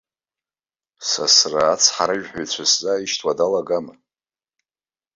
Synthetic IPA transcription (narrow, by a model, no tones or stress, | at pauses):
sa̰sraːt͡sʰħaɾɨʒᶣħʷᶣojt͡sʷʰaszʼaiʃtʰwadalaɡama